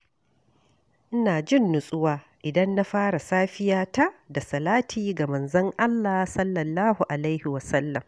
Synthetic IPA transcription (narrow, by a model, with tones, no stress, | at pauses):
ʔɪ˦naː˨d͡ʒɪ˦˨nːʊ˨sʼʊ˦waː˦ | ʔɪ˨dɐ˦nːa˦ɸaː˦ɾa˨saː˦ɸɪ˦jaː˦ta˦da˨sɐ˨laː˦tʰiː˦ɡa˨mɐ˨nzɐ˦ŋʔa˦lːaː˨sɐ˦lːɐ˨lːaː˦hu˨ʔa˨lɐ˦jhɪ˨wɐ˨sɐ˦lːɐ˨m